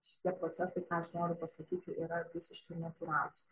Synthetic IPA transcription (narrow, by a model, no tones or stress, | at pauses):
ʃʲɪ̥t̪ʲiɛpɾoːtsʲæsɐɪkɑːɐʃnoːɾʲʊpɐsɐkʲiːt̪ʲɪʔiːɾɐʋʲɪsʲɪʃkɐɪnɐt̪ʊɾɑːlʲˠʊss